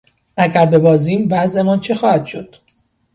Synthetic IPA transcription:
ʔæɡæɾbe̞bɒːziːmvæzʔe̞mɒːnt͡ʃʰe̞xɒːhæd̪̥ʃo̞d̪̥

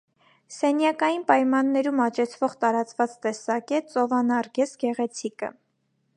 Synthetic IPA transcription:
sɛnjɑkɑjinpɑjmɑnːɛɾumɑt͡ʃɛt͡sʰvɔʁt̪ɑɾɑt͡svɑt͡st̪ɛsɑkɛt̪̚t͡sɔvɑnɑɾɡɛsɡɛʁɛt͡sʰikə̰

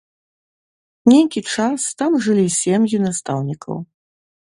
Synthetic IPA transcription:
nʲejkʲit͡ʂast̪amʐɨlʲisʲeɛmjunast̪awnʲikʰɐ̰w

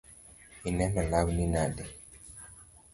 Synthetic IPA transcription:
inɛnalawninadɛ

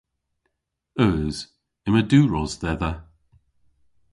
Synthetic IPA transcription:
œːz̥ | ɪməduːɹɔzðɛðə

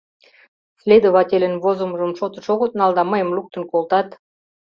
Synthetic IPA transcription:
slʲed̪oβɑt̪ʲelʲə̆nβozəməʒə̆mʃot̪ə̆ʃoɣət̪nɑld̪ɑməjə̆mluk̚t̪ə̆nkolt̪ɑt̪

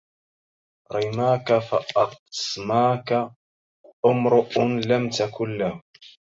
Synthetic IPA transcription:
ɾˤɑjmaːkafaʔɑt̪smaːka | ʔʊmɾʊʔnlamt̪akʊlːah

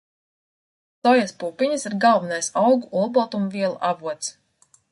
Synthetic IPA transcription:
sɔjaspuːpiɲasiɾɡalˠvinajsawɡuʔulbɔt̪umviɛlˠuʔavuɔt̪s

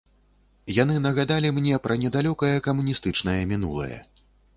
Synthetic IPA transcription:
janɨnɐɣad̪alʲimnʲɛpɾʔɐnʲɛd̪alʲɔkɐjɐkɐmunʲist̪ɨt͡ʂnɐjɐmʲinṵlˠɐ̰jɐ̰

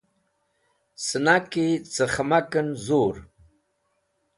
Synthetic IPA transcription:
sənaket͡səχamakənzoːɾ

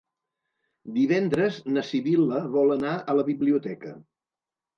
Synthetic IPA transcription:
d̪iβɛnd̪ɾəznəsiβiləβɔlənaələβiβliut̪ɛkə̰

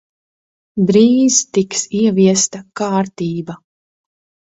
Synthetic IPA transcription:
bɾiːzt̪iksiɛviɛst̪akaːɾt̪iːba

